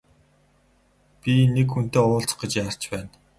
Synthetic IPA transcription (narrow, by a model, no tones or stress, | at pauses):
pʲinekxun̥t̪eːʊːɬt͡s̆χɡĕt͡ɕjar̥t͡ɕpæːn